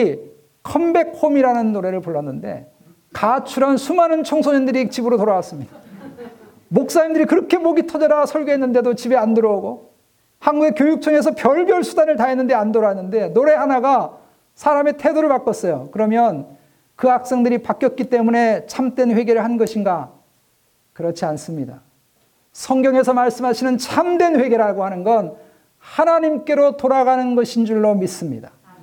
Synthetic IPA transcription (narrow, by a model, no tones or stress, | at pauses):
kʰʌmbe̞k̚homiɾanɯnːoɾe̞ɾɯɭpoɭːʌnːɯnde̞̰ | kat͡ɕʰuɾansʰumanɯnt͡ɕʰʌŋsʰoɲindɯɾit͡ɕibɯɾotoɾawas͈ɯmɲida | mok̚s͈aimdɯɾikɯɾʌkʰe̞moɡitʰʌd͡ʑʌɾasʰʌɭɡeɦenːɯnde̞dot͡ɕibe̞andɯɾʌɡo | hanɡuɡe̞kjojuk̚t͡ɕʰʌŋe̞s̬ʰʌpjʌɭbjʌɭsʰudanɯɭtaɦenːɯnde̞andoɾaenːɯnde̞noɾe̞hanaɡa | sʰaɾame̞tʰe̞doɾɯɭpak͈ʌs͈ʌjokɯɾʌmjʌn | kɯak̚s͈ʌŋdɯɾipak͈jʌt̚k͈it͈e̞mune̞t͡ɕʰamt͈we̞nɸwe̞ɡe̞ɾɯɭhannɡʌɕʰinɡa | kɯɾʌt͡ɕʰians͈ɯmɲida | sʰʌŋɡjʌŋe̞sʰʌmaɭs͈ɯmɦaɕʰinɯnt͡ɕʰamdwenɸwe̞ɡe̞ɾaɡohanɯnɡʌn | hanaɲimk͈e̞ɾotoɾaɡanɯnɡʌɕʰind͡ʑuɭːomis͈ɯmɲida